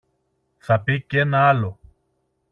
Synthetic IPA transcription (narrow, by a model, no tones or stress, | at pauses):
θɐpicenalo